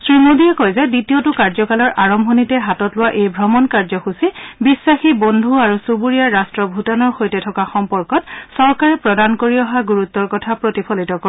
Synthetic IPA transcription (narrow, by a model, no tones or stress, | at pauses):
sɹimodiɛkɔjzɛditiotʊkaɹzɔkalɔɹʔaɹɔmbʱɔnitɛɦatɔtlʊwaʔejbʱɹɔmɔnkaɹzɔxusibisːaxibondʱuaɹusubuɹijaɹastɹɔbʱutɔnɔɹxojtɛtʰɔkaxɔmpɔɹkɔt̚sɔɹkaɹɛpɹɔdankoɹiɔɦaɡuɹut̪ːɔɹkɔtʰapɹotipʰɔlitɔk